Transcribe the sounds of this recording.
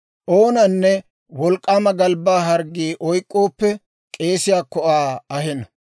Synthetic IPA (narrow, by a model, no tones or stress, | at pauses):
ʔoːnɐnːɛ | wɔlkʼːaːmɐɡɐlbaːɦɐɾɡiːʔɔjkʼːoːpːɛ | kʼe̞ːsɪjaːkːɔʔaːɐhɛnɐ